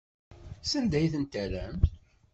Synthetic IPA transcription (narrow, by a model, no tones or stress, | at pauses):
sənd̪æjθənt̪ælæm